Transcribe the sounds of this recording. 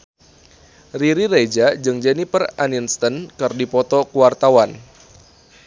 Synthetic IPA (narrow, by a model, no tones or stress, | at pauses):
riɾiɾed͡ʒad͡ʒɨŋd͡ʒɛnipəraninst̪ənkɨrdipɔt̪ɔkuwart̪awan